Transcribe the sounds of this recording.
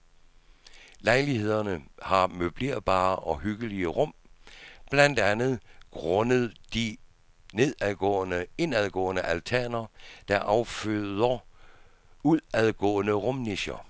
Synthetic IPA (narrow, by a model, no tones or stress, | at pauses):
lɑ̈ɪlihe̝ð̞̰ˠɐnəhɑ̈møb̥le̝̰ɐb̥ɑ̰̈ːʔɒ̽hyɡ̥əliəʁɔ̽m̰b̥læn̰d̥ænð̩ˠɡ̥ʁɔ̽nəð̩ˠd̥i | ne̝ðˠæðˠɡ̥ɔ̰̽ːənəe̝næð̞ˠɡ̥ɔ̰ːənəʔælt͡sʰæɐnɐd̥ɑʔɑ̈ʊføðˠɐ | uðˠæðˠɡ̥ɔ̰̽ːənəʁɔ̽mneɕɐ